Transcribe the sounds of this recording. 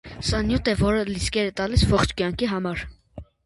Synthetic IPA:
sɑnjut̪ɛvɔɾəliskɛɾət̪ɑlisvɔχt͡ʃʰkjɑŋkʰiɦɑmɑɾ

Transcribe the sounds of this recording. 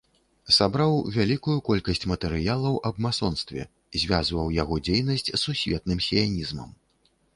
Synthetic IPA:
sabɾawvʲalʲikujukɔlʲkɐsʲt͡sʲmɐt̪ɛɾɨjalˠɐwʔɐbmasɔnst̪vʲɛ̰ | zʲvʲazvɐwjaɣɔd͡zʲejnɐsʲt͡sʲsːusʲvʲɛt̪̚nɨmsʲijanʲizmɐ̰m

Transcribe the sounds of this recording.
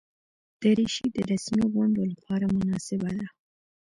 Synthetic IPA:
d̪̥əɾiʃid̪əɾasmiɣʊnd̪olapɑɾamʊnɑsɪbad̪a

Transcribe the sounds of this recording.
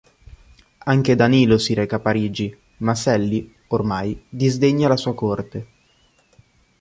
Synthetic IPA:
aŋk̟ed̪aniːlosiɾɛːkapaɾiːd͡ʒi | masɛlːi | ormajd̪izd̪eɲːalasuːakort̪e

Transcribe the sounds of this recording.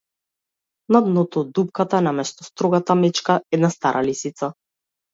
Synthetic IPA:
nad̪nɔt̪ɔd̪upkat̪aɛnamɛst̪ɔst̪ɾɔɡat̪amɛt͡ʃkaɛd̪nast̪aɾʔalisit̪sa

